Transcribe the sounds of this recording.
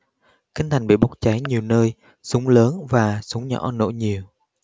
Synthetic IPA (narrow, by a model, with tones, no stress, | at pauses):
kï˧ŋ̟t̪ʰa˨˩jŋɓḭ˧˨ɓa˦˥k͡p̚t͡ɕa˨˦jɲi˨˩əwnəː˧j | sʊ˨˦ŋ͡mləː˨˦nvaː˨˩sʊ˨˦ŋ͡mɲɔ̰˧˥no̰˧˥jɲi˨˩əw